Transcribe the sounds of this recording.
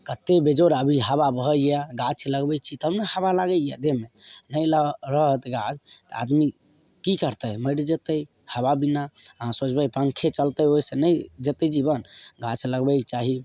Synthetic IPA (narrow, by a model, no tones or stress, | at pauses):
kət̪ebed͡ʒoɾəbʱiɦaβabəɦəjaɡat͡ʃʰləɡbɛt͡ʃʰit̪ɦəmnehabalaɡəja̰d̪emenəjləɾəɦət̪ɡad͡ʒt̪ɔa̰d̪mi | kikəɾt̪əjməɾd͡ʒet̪əj | hababinaɦãsot͡ʃbəjpə̃ŋkʰet͡ʃəlt̪əjoisenəjd͡ʒet̪əd͡ʒibənɡat͡ʃʰləɡbɛkt͡ʃaɦi